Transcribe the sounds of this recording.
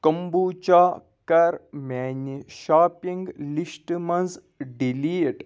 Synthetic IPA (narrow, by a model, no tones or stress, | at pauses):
kɐmbuːt͡ʃaː | kɐɾmaːniʃaːpiŋɡlisʈmɐnz | ɖiliːʈ